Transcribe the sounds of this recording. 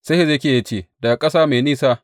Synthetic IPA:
se˦he˦ze˦kʲeː˨ja˦t͡ʃeː˦˨da˨kʼɐ˦saː˦me˨niː˦saː˦

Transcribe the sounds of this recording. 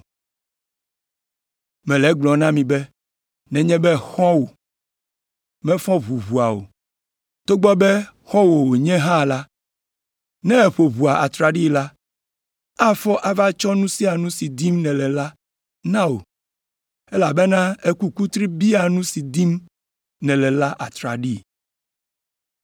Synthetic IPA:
mɛ̃˨lɛ˦ɡ͡blɔ˨nã˦mĩ˨bɛ˦ | nɛ̃˨ɲɛ̃˦bɛ˦xɔ̃˦wo˨ | mɛ̃˦fɔ̃˦βu˨vu˨a˨o̰˨ | t̪o˦ɡ͡bɔ˦bɛ˦xɔ̃˦wo˨wo˨ɲɛ̃˦ɦã˦˨la˦ | nɛ̃˦e˨ɸo˨βu˨a˨ʔa˨t̪ɾa˨ɖi˦la˦ | a˦fɔ˦ʔa˨va˦t͡ʃɔ˦nũ˦si˦a˨nũ˦si˨d̪i˦mnɛ̃˨lɛ˨la˦ | nã˦wo̰˨ | ɛ˦la˨bɛ˦nã˦e˦ku˦ku˦t̪ɾi˦bi˦a˨nũ˦si˨d̪i˦m | nɛ̃˨lɛ˨la˦ʔa˨t̪ɾa̰˨ɖi˦

